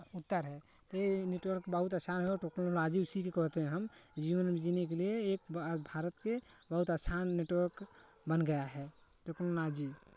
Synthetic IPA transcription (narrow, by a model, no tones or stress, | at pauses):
ut̪ːəɾɦɛ | t̪ɔeneʈwəɾkbəɦut̪asaːnɦɛoːʈeknolad͡ʒiusikekɔɾt̪eɦɛ̃ɦəmd͡ʒiʋənbid͡ʒinek̬elieːk̚bʱaɾət̪kebəɦut̪asʰanːeʈwəɾk | bənɡəjaɦɛ | ʈeknolad͡ʒi